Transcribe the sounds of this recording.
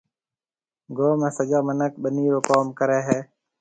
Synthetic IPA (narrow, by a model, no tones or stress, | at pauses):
ɡoːmẽːsəd͡ʒaːmənək̚ɓəniːɾoːkaːmkəɾeːɦeː